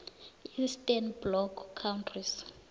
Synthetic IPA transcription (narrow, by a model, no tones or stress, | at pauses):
istʼɛnblɔkʰːawntʰris